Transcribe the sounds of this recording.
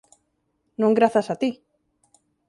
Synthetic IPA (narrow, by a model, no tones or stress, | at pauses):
nõŋɡɾaθasat̪i